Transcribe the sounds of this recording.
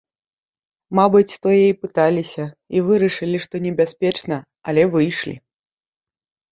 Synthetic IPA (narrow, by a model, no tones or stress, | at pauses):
mabɨt͡sʲt̪ɔjɛipɨt̪alʲisʲɐivɨɾɐʂɨlʲiʂt̪ɔnʲɛbʲaspʲɛt͡ʂnɐ | ɐlʲɛvɨjʂlʲḭ